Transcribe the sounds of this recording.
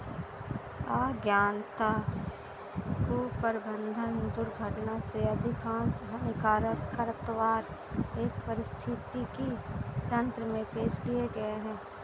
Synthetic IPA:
aːɡjaːnt̪a | kupəɾbə̃nd̪ʱəɦɪ̃nd̪ʊɾɡʱɐʈnaseɐd̪ʱɪkaːnsəɦnɪkaːɾəkʰːəɾəp̚t̪əʋaːɾ | eːk̚pɐɾɪst̪ʰɪt̪ikit̪ɐ̃nt̪ɾəmẽpeːʃkieɡɐeɦɛ̃ː

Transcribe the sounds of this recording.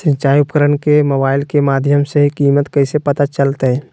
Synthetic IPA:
sə̃ɲt͡ʃaːiʊpkəɾənkemobaːɪlkemaːd̪ʱjəmseɦikiːmət̪kɐɪsepɐt̪at͡ʃəlt̪ɦɛ̃ː

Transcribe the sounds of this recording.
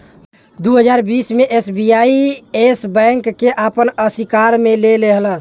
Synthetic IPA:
d̪uɦəd͡ʒaɾbismeʔesbijaiesbɛ̃ŋkːeʔapənəsikaɾmeleleɦlə

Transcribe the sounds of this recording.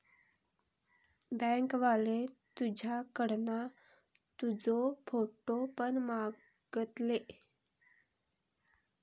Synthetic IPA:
bə̃ŋkʋalet̪ud͡ʑʱakəɽna | t̪ud͡zofoʈopəɳma | ɡ̥ət̪le

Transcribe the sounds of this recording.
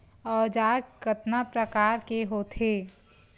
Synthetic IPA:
ɔːd͡ʒaːɡkət̪napɾəkaːɾkeɦoːt̪ʰeː

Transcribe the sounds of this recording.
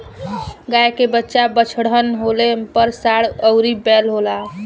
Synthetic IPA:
ɡajkebətːʃabət͡ʃʰɽənɦolepəɾsaɽəʊɾibɛlɦola

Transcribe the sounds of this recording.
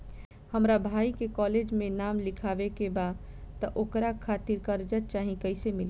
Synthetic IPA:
həmɾabʱaːikekɔːled͡ʒmẽnaːmlɪkʰaːbekebad̪ | t̪əʔoːkɾakʰaːt̪iɾkəɾd͡ʒət̪̚t͡ʃaːɦĩkəɪsemɪl

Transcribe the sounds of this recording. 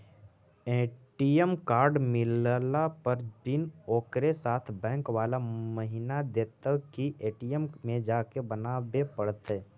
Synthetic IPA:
eːʈiəmkaːɾɖmɪllapəɾbɪnoːkɾesaːt̪ʰbɛ̃ːkwaːlaməɦɪnad̪eːt̪əkiʔeːʈijəmmẽd͡ʒaːkebənaːbepəɽt̪e

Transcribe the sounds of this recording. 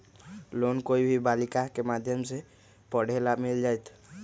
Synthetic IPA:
lonkoibʱibalikakemad̪ʱjəmse | pɔɽ̤elamild͡ʒajt̪ʰ

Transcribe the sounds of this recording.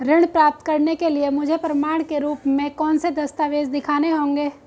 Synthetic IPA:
ɾɪɽ̃pɾaːp̚t̪kɐɾnekeliemʊd͡ʒʱepɾɐmaːɽ̃keɾuːpmẽkɔːnsed̪ɐst̪aʋeːzd̪ɪkʰaːneɦõːŋɡeː

